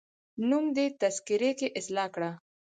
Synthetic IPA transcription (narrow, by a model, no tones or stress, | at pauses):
numd̪et̪ɐskɪɾekeʔɪslɑkɽa